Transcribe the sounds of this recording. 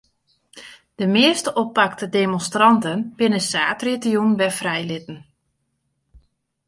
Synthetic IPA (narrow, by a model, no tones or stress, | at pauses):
d̥əmɪəstəʔopːak̚tədemɔnstrɑntənb̥ɪnəsaːtritəjunbɛfrɛjlɪtn̩